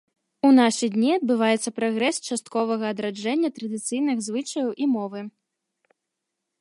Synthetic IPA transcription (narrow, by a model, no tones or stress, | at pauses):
unaʂɨd̪ʲnʲiɐd̪̚bɨvajɛt̪sːɐpɾaɣɾɛst͡ʂast̪̚kɔvɐɣɐːd̪ɾad͡ʐɛnʲːɐt̪ɾɐd̪ɨt̪sɨjnɨɣzvɨt͡ʂɐjɐwʔimɔvɨ